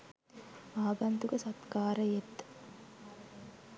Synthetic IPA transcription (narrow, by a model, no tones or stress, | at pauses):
aːɡɐnt̪uɡəsɐt̪kaːɾəjet̪ː